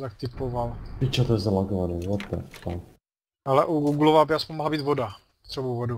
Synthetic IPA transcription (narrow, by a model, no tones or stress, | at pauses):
t̪ak̚t̪ɪpovalit͡ʃat̪ojɛzalaɡovanɛːvot̪ːɛ̰t̪ak | ʔalɛʔuɡuɡlovabɪaspoɲmoɦlabiːt̪voda | t̪r̥ɛbowvodu